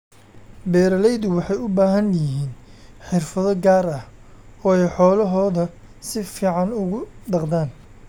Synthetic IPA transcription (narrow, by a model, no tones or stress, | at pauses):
bɛːɾɐlɛjðʊwɑħɑjʊbaːɦɐnjɪɦiːnħɪrfɐðɔɡaːɾɐh | ɔːɛjħɔːlɐɦɔːðɐ | sɪfiːʕɑnʊɣʊɖɑqðaːn